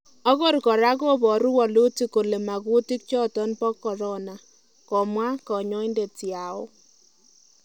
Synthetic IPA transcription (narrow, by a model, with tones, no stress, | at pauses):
ɔ˦kɔ˦rkɔ˨ɾa˦ko˦bɔ˨ɾu˦wɔ˨lu˦ti˦ko˨le˨ma˨ku˦ti˦k̚t͡ʃɔ˦tɔ˦npɔ˦kːɔ˨ɾɔ˦na˨ | kɔ˨mwa˦kɔ˨ɲɔ˦i˦nde˨ti˨a˨o˦